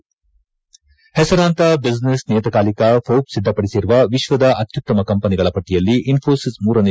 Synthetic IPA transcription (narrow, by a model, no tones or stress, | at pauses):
hɛsɐɾaːnt̪ɐbid͡ʒnesnijɐt̪ɐkaːlikɐpʰoːpsid̪ʱːɐpɐɽisiɾuʋɐʋiʃʋɐd̪ɐʔɐt̪jut̪ːɐmɐkɐmpɐniɡɐɭɐpɐʈːijɐlːiʔinfʰoːsismuːɾɐne